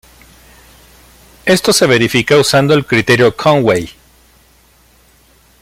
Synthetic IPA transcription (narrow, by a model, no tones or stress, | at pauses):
e̞st̪o̞se̞β̞eɾifikausand̪o̞elkɾit̪e̞ɾjo̞kʰoŋwej